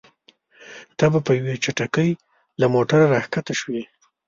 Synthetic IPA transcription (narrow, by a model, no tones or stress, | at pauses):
t̪abapəjawet͡ʃaʈakəj | lamoʈaɾaɾaxkat̪aʃwi